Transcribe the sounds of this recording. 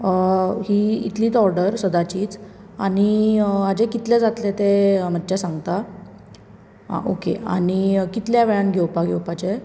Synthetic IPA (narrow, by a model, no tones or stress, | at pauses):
ɦiːḭt̪liːt͡sɔɾɖəɾsəd̪at͡ɕiːt͡s | aɽ̃iad͡ʑekit̪led͡zat̪let̪em̤ətːt͡ɕasãŋɡt̪a | ɦa̰ʔo̰kḛa̰ɽ̃ikit̪ljaʋeɭanɡʱewpaɡʱewpat͡ɕe